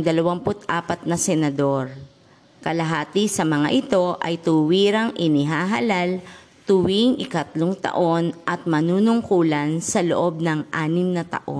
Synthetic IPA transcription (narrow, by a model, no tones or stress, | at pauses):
d̪ɐlɐwampʊt̪ʔaːpɐt̪̚nɐsɛnɐd̪o̞ɾ | kɐlɐɦaːt̪ɪsɐmɐŋa̰ʔɪt̪o̞ʔɐ̰jt̪ʊwiːɾɐŋʔɪnɪɦaːɦɐlal | t̪ʊwiŋʔɪkɐt̪loŋt̪ɐ̰ʔo̞nʔɐt̪̚mɐnuːnʊŋkuːlɐnsɐlo̰ʔo̞b̚nɐŋʔaːnɪŋnɐt̪ɐ̰ʔo̰